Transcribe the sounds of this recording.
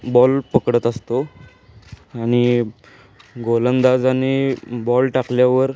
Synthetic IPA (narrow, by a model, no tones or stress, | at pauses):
bɔlpəkɽət̪əst̪o | aɽ̃i | ɡolənd̪ad͡zanibɔlʈakljaʋəɾ